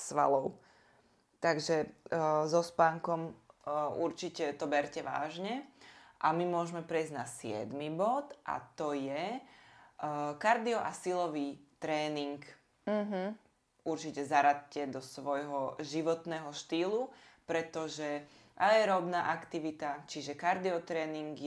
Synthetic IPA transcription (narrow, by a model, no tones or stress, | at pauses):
sʋa̰lɔʊ | t̪aɡʒɛzɔspaːŋkɔm | uɾt͡ʃicɛt̪ɔbɛɾcɛʋa̰ːʒɲɛʔamimʊɔʒmɛpɾɛizɟnasɪɛ̰d̪mibɔt̪ʔa̰t̪ɔjɛ | kaɾd̪iɔʔasilɔʋiːt̪ɾɛːniŋk̩ | ɦ̩ | uɾt͡ʃicɛzaɾat̪cɛd̪ɔsʋɔjɦɔʒiʋɔt̪nɛːɦɔʃt̪iːlupɾɛt̪ɔʒɛ | ajɛɾɔbnaːʔakt̪iʋit̪at͡ʃiʒɛkaɾd̪iɔt̪ɾɛːniŋɡ